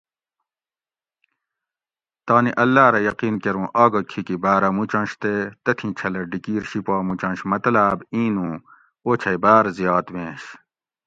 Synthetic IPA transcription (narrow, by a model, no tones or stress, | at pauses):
t̪aːniʔɐlːaːɾɐjɐqiːnkeɾũːʔaːɡɐkʰikibaːɾɐmut͡ɕɐ̃nɕt̪et̪ɐt̪ʰĩt͡ɕʰɐlɐɖikiːɾɕipaːmũt͡ɕɐ̃nɕmɐt̪ɐlaːbĩːnũː | oːt͡ɕʰɐjbaːɾzijaːt̪wẽːɕ